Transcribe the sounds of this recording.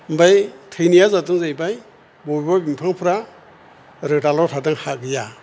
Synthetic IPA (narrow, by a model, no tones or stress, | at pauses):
mbajtʰɯjnijazatɯŋzajbaj | bɔbibabimpʰaŋpʰɯɾa | ɾɯdalɔtʰadɯŋhaɡɯja